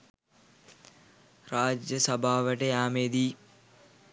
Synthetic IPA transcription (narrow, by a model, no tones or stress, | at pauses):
raːd͡ʒjəsɐbʱaːʋəʈəjaːmeːd̪iː